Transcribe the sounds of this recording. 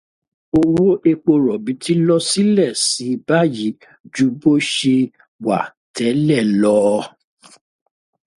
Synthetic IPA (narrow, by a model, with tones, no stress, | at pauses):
o˧wo˦ʔe˧k͡po˧ɾɔ˨bi˨˦tʰi˦lɔ˦si˦lɛ˦˨si˨˦˧ba˦˨ji˨˦ | d͡ʒu˧˦bo˦ʃe˧ | wa̰˨ | tɛ˨˦lɛ˦˨lɔ˧˦